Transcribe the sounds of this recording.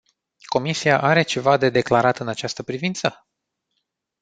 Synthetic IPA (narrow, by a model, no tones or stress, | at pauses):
ko̞misiaʔaɾe̞t͡ʃe̞vad̪e̞d̪e̞klaɾat̪ɨnat͡ʃast̪əpɾivint̪sə